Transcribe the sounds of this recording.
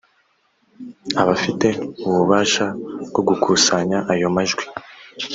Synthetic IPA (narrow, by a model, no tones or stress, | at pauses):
aβafite̞uβuβaːʃaɡo̞ɡukʰusaɲaʔajo̞maʒɡwi̥